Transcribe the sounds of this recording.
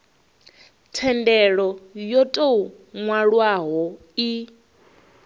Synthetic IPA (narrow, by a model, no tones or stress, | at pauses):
tʰɛndɛɺɔjɔtʼou | ŋwaɺwaɦɔ | i